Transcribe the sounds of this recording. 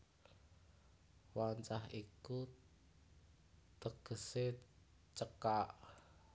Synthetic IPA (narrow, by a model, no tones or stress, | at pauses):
waɲt͡ʃaɦiku | t̪əɡ̥ə̤se | t͡ʃəkaʔ